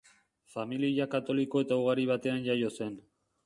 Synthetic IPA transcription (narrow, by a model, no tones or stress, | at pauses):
familiʎakat̪o̞liko̞e̞t̪auɣ̞aɾiβ̞at̪e̞anʝajo̞se̞n